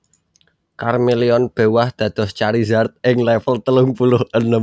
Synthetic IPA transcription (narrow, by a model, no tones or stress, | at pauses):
karmeliɔnb̥e̤wahd̪̥ä̤d̪̥ɔ̤st͡ʃaɾizart̪̚ʔɪŋlɛfəlt̪əlʊŋpulʊhʔənəm